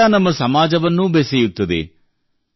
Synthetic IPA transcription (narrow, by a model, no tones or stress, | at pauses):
aːnɐmːɐsɐmaːd͡ʒɐʋɐnːubesɛjut̪ːɐd̪ḛ